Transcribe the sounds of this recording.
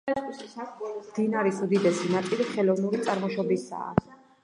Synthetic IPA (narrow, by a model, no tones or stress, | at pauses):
ɛkʼusisakd̪inaɾisɔd̪id̪ɛsinat̪sʼiliχɛlɔvnuɾit̪sʼaɾmɔʃɔbisa̰ː